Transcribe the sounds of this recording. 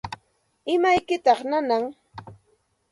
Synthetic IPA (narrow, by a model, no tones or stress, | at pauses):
ɪmajkɪt̪ɑχnanaŋ